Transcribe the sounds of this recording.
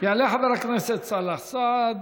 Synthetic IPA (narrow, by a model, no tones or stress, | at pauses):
jaʕleaħabeɾakneset̪salaħsad̪